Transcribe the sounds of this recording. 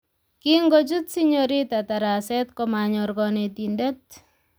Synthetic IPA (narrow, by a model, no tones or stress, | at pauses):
kiŋɡot͡ʃutsiɲoɾitataɾasɛtkɔmaɲɔrɡɔnetindet̚